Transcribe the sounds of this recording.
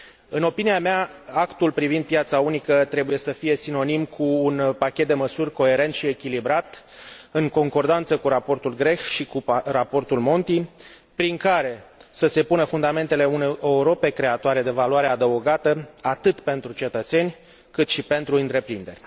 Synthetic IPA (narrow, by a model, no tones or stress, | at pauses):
ɨno̞piniameaakt̪ulpɾivind̪̚pjat̪saunikət̪ɾe̞buje̞səfije̞sino̞nimkʰuːnpakʲe̞t̪̚d̪e̞məsurʲko̞e̞ɾe̞nt̪ʃie̞kʲilibɾat̪ | ɨŋko̞ŋko̞rd̪ant̪səkuɾapo̞rt̪ulɡɾe̞xʃikurapo̞rt̪ulmo̞nt̪i | pɾiŋkaɾe̞səse̞punəfund̪ame̞nt̪e̞le̞unejʔeuɾo̞pe̞kɾe̞at̪oaɾe̞d̪e̞valuwaɾead̪əoɡat̪əat̪ɨt̪pe̞nt̪ɾut͡ʃe̞t̪ət̪se̞nʲ | kɨt̪ʃipe̞nt̪ɾuɨnt̪ɾe̞pɾind̪e̞rʲ